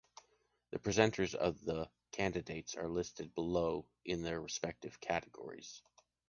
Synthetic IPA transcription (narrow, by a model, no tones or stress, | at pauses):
ðɨpʰɹ̥izɛ̃ntʰə˞zʌ̰vðə | kʰæ̃ndɨdeɪtsə˞lɪstɨd̚bəloʊ | ʔɪ̃nðə˞ɹɨspɛk̚tɨv̥kʰæɾɨɡɔ̰ɹḭz̥